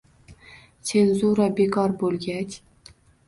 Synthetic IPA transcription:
t͡sʰenzuɾabe̞kʰɒɾbolˠɡʲat͡ʃʲ

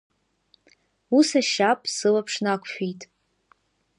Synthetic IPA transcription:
usaʃapʼsɨlapʰʂnakʷʰʃᶣitʼ

